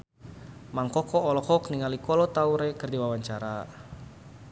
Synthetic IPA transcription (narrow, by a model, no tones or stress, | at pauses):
maŋkɔkɔːlɔkɔkniŋalikɔlɔt̪auɾɛkərdiwawaɲt͡ʃaɾa